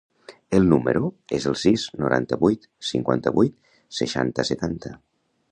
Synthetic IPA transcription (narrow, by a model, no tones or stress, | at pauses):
əlˠnuməɾuezəlˠsiznuɾʔa̰nt̪əβujt̪ | siŋkwa̰nt̪əβujt̪ | seʃa̰nt̪əsət̪ant̪ə